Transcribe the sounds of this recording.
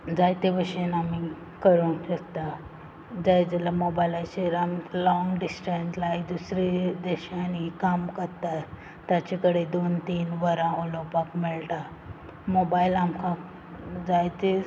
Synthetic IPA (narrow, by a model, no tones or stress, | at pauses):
d͡zajt̪ebəɕenami | kəɾunɕəkt̪a | d͡zajd͡zelamobailaɕeɾamlɔŋɡɖisʈenʈlajkd̪usɾed̪eɕanikamkəɾt̪a | t̪jat͡ɕekəɽed̪ont̪iːnʋəɾãulopakmiɭʈa | mobailamkʰa | d͡zajt̪e